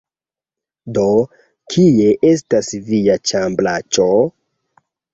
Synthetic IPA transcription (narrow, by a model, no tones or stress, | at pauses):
do̞ | kʰie̞ʔe̞s̬tasviat͡ʃamblat͡ʃo